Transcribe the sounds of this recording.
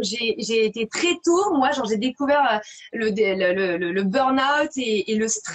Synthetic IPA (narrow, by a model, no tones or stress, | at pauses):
ʒeʒeːt̪et̪χɛt̪omwaʒɔʁʒed̪ekuvɛʁø | ləd̪elələlələbœʁnawt̪eːləst̪χ